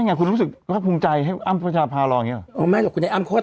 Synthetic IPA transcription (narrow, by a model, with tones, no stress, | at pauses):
a˥˩˨ŋaː˧˩kʰu˧nɾuː˦˥sɯ˨˩k̚ɾaː˥˩kʰuː˧ŋt͡ɕa˧jɦa˥˩jʔa˥˩mpʰa˧t͡ɕʰaː˧pʰaː˧lɔː˧˨˧ŋi˦˥lʔːmaː˥˩j̪o˨˩kʰu˧nːda˧˥ʔaː˥˩mkʰoː˦˥˩